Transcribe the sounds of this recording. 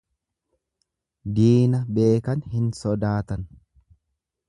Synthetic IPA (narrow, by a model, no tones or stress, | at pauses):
d̪iːnɐbe̞ːkɐnhɪnsɔd̪aːt̪ɐn